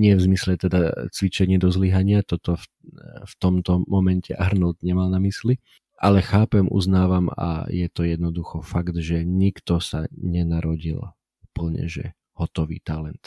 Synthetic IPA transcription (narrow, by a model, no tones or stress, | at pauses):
ɲɪɛvzmislɛt̪ɛd̪at͡sʋit͡ʃɛɲɪɛd̪ɔzliɦaɲɪat̪ɔt̪ɔf | ft̪ɔmt̪ɔmɔmɛncʰɛ̰ʔaɾnɔld̪ɲɛmalnamisli | ʔalɛxaːpɛmʔṵznaːʋama̰jɛt̪ɔjɛd̪nɔd̪uxɔfaɡd̪ʒɛɲikt̪ɔsaɲɛnaɾɔɟḭl | upl̩ɲɛ̰ʒɛ̰ | hɔt̪ɔʋḭːt̪alɛnt̪